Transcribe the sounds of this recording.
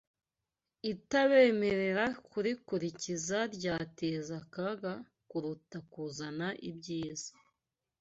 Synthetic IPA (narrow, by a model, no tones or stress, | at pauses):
itaβe̞ːme̞ɾe̞ɾakuɾikuɾicizaɾɟaːtezakaɡa | kuɾutakuzanaʔibɟiːz̥ḁ